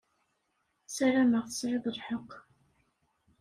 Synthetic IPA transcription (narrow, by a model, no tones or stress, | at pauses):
sæɾæməʁθə̥sɾɪðˤəlˤħəqː